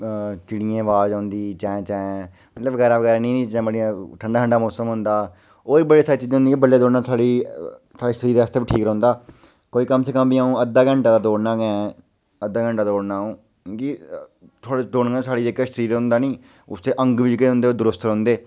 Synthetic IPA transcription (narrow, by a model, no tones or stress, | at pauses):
t͡ʃɪɽiẽːʋaːd͡ʒãːnd̪iːt͡ʃɛ̃ːɛ̃t͡ʃɛ̃ | mət̪ləbɡɛːɾaːʋəɡɛːɾaːnĩːniːt͡ʃɛ̃ːbəɽiãʈʰəɳɖaːʈʰəɳɖaːmɔːsəmɦʊ̃nd̪aː | oːiːbəleːsaːɾiːt͡ʃiːd͡ʒ̃ɦnd̪iːkibəlːeːd̪oːɽnãːsaːɽiːsʰaːɽiːʃəɾiːɾast̪eːbiʈʰiːkɾ̃ːʊ̃nd̪aː | koːiːkəmsəkəmbiaːũːəd̪ːaːɡə̃ɳʈaːd̪aːd̪oːɽnãːɡɛ̃ | əd̪ːaːɡə̃ɳʈaːd̪oːɽnaːũː | ki | t̪ʰoaːɽed̪oːɽɡasaːɽiːd͡ʒeːkaʃəɾiːɾʊ̃nd̪aːnĩː | ʊ̰st̪eːʔə̃ŋɡʋid͡ʒkeːʊ̃nd̪eoːd̪ʊɾʊst̪ɾɔ̃ːnd̪eː